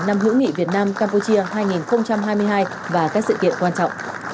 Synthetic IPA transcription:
na˧mɦɨ̰˧˥ŋḭ˧˨vi˨˩ət̚naː˧mkaː˧mpu˧t͡ɕi˧əɦaː˧jŋi˨˩nxə˧wŋ͡mt͡ɕa˧mɦaː˧jmɨ˧əjɦaː˧j | vaː˨˩kaː˦˥k̚sɨ̰˧˨kḭ˧˨ənkwaː˧nt͡ɕɔ̰˧˨wŋ͡m

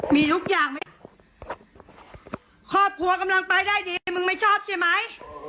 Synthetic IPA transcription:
miː˧t̪ʰu˦˥k̚jaː˨˩ŋma˥˩ | kʰɔː˥˩p̚kʰu˧ɐka˧mla˧ŋpa˧jdaː˥˩jdiː˧˩jmɯ˧ŋma˥˩jt͡ɕʰɔː˥˩p̚t͡ɕʰa˥˩jma˦˥j

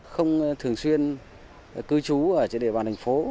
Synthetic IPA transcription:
xə˧wŋ͡mt̪ʰɨ˨˩əŋswi˧ən | kɨ˨˦t͡ɕu˨˦ʔəː˧˩t͡ɕe˧˩nɗe˧˩ɓaː˧˨nt̪a˨˩ŋfo˨˦

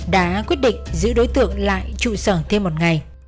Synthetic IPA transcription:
ɗa̰ː˨˦˥kwi˦˥ət̚ɗḭ̈˧˨ŋ̟zɨ̰˧˥ɗo˨˦jt̪ɨ̰˧˨əŋla̰ː˧˨jt͡ɕṵ˧˨səː˧˩nt̪ʰe˧mːo˨˩t̚ŋa˨˩j

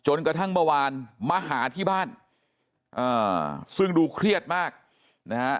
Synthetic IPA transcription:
t͡ɕo˧nkɾa˧t̪ʰa˥˩ŋma˥˧waː˧nma˧ɦaː˩˦t̪ʰiː˥˩baː˥˩n | ʔɤː˧˩sɯ˥˩ŋduː˧kʰɾi˥˩ət̪̚maː˥˩k̚ | na˦˥kʰa˦˥

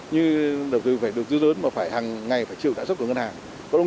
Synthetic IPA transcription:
ɲɨ˧ɗə˨˩w̚t̪ɨ˨˩faː˧˩jɗɨ˨˩ək̚zɨ˧˦ləː˨˦nmaː˨˩faː˧˩jhaː˨˩ŋːa˨˩jfaː˧˩jt͡ɕḭ˧˨wɗa̰ː˧˥st̚kŋ˧nhaː˨˩ŋ | kɔ˨˦ɗ

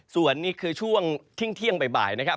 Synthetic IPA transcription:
su˨˩ənːiː˥˩kʰɯː˧t͡ɕʰu˥˩əŋt̪ʰi˥˩ŋt̪ʰi˥˩əŋpa˧jba̰ː˨˩jna˦˥kʰa˦˥

